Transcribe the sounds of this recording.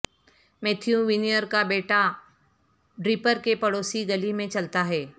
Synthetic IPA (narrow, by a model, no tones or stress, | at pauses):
meːt̪ʰjũʋɪnijəɾkabeːʈa | ɖɾɪpəɾkepɐɽoːsiɡɐlimẽt͡ʃɐlt̪aɦɛː